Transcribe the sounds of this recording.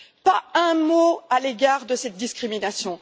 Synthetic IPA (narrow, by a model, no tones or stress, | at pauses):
paɛ̃moaleɡaʁd̪əsɛt̪̚d̪iskχiminasjɔ̃